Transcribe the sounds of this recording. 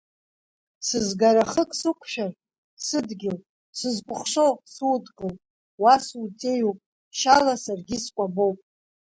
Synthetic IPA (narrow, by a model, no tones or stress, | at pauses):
sɨzɡaɾaχəkʼsɨkʷʰʃᶣar | sɨdɡʲɪl | sɨzkʷʼʊχʂo̞wpʼsudɡʼɨl | wasutʼejupʼ | ʃalasarɡʲɪskʷʼabowpʼ